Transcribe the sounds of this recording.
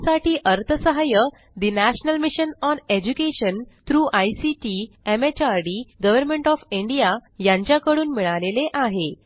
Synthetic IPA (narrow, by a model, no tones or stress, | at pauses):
saʈʰiːʔəɾt̪ʰəsəɦajə | d̪inæɕnəlmiɕənɔned͡ʑukeɕənt̪ɾuːʔajsiʈiemet͡ɕaɾɖiɡəʋəɾmeɳʈɔfiɳɖijajãɲt͡ɕjakəɽuːnmiɭaleleʔaɦe